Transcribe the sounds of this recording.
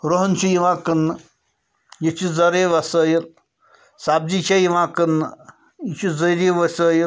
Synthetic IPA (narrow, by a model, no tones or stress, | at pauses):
ɾoɦnʲt͡ʃʰujiʋãːkɨnːɨ | jit͡ʃʰizɐɾeːʋɐsəːjil | saːb̚d͡ʒit͡ʃʰejiʋãːkənːɨ | it͡ʃʰizəɾiʋɐsəːji